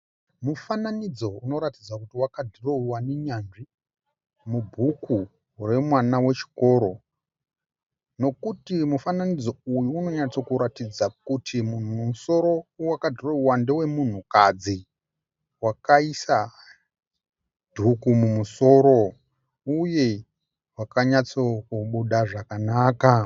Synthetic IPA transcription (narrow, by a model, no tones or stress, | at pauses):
mufananid͡zo̞uno̞ɾatid͡zakutiwakadʱiroiwaneɲanʐi | mubʱuku | re̞mwanawe̞t͡ʃi̥ko̞ːɾo̞ | no̞kutimufananid͡zo̞ujuːno̞ɲat͡so̞kuɾatid͡zakutʰimun̤uumuso̞ɾo̞wakadoreuwande̞we̞mun̤ukad͡zi | wakaisa | dʱukumumuso̞ɾo̞ | uje̞ | wakaɲat͡so̞kuɓuɗaʐakanaːka